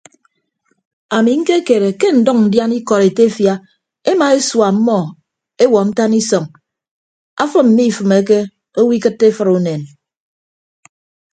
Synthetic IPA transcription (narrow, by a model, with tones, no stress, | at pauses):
a˨mi˨ŋ̩˦ke˦ke˨ɾe˨ke˦n̩˨dɔ˦ŋn̩˨dja˦ni˦kɔ˨ɾe˨te˦fja˦ | e˦ma˨e˦swa˨m̩˦mːɔ˦˨ | e˦wɔ˨n̩˦ta˦ni˦sɔ˨ŋ | a˦fɨ˦m̩˨mi˦˨fɨ˨me˨˦k̬e˦ | o˦wi˦kɨ˦tːe˦fɨ˦ɾu˨ne˨n